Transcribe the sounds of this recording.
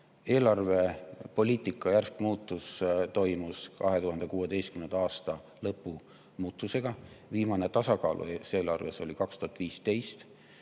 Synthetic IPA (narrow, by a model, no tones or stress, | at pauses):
e̞ːlɑrve̞po̞lʲiːt̪ˑikːˑɑjærskmuːt̪ːˑust̪o̞jmuskɑ̰ɦe̞t̪uɦɑnd̪e̞kuːe̞d̪e̞jst̪̚kymnend̪ɑɑːst̪ɑ | lɤpːˑu | muːt̪ːˑuse̞ɡ̥ɑviːmɑne̞t̪ɑsɑkɑːlʔṵse̞ːlɑrve̞̰so̞likɑkst̪uhɑt̪ːˑviːst̪e̞jst̪